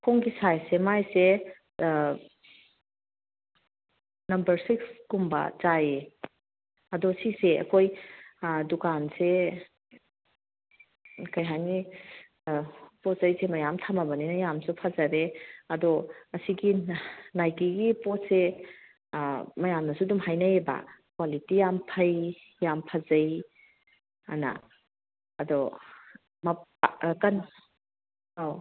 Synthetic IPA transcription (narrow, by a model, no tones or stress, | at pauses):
kʰoŋɡisajsemajse | nɐmbɐɾsikskumbɐ̰t͡ʃaje | ɐdɔsiseɐ̰kʰoj | dukanse | kɐjɦajni | pot̚sɐjsemɐjamtʰamabɐninɐjamsupʰazɐɾeɐdɔɐsiɡinajkiɡipɔt̚se | mɐjamnɐsudumɦajnɐjeba̰kwalitijampʰɐj | jampʰazɐj | ɐ̰na̰ | ɐdɔ | mɐkɐn | aw